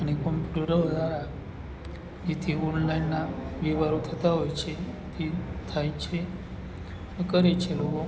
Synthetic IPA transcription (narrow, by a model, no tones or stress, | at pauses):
aɽ̃ikɔmpjuuʈəɾəɾʋəd̪aɾa | jit̪ʰiɔnlainːaʋiʋaɾut̪ʰət̪aɦojt͡ɕʰet̪it̪ʰajt͡ɕʰe | kəɾet͡ɕʰeloko